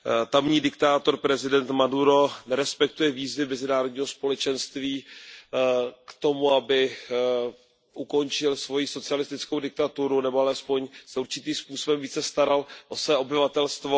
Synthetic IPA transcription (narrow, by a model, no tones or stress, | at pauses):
t̪amɲiːdɪkt̪aːt̪o̞ɾpɾɛzɪdɛnt̪maduɾo̞nɛɾɛspɛk̚t̪ujɛviːzvɪmɛzɪnaːɾodɲiːɦo̞spo̞lɛt͡ʃɛnst̪viː | kt̪o̞muabɪ | ʔuko̞nt͡ʃɪlsvo̞jiso̞t͡sɪalɪst̪ɪt͡skowdɪk̚t̪at̪uɾunɛboalɛspo̞ɲsɛuɾt͡ʃɪt̪iːmspuːsobɛmviːt͡sɛst̪aɾalʔosvɛːʔo̞bɪvat̪ɛlst̪vo̞